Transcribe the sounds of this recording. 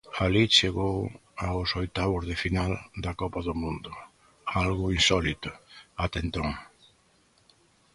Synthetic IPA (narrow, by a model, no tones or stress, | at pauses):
alit͡ʃeɣowaʊsojt̪aβʊzðɪfinald̪ɐkɔpɐðʊmũnd̪ʊ | alɣʊinsɔlit̪ʊat̪ent̪oŋ